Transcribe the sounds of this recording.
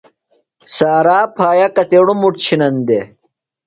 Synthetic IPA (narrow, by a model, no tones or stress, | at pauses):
saːɾaːpʰaːjɐkɐt̪eɽumuʈt͡ɕʰinɐnd̪e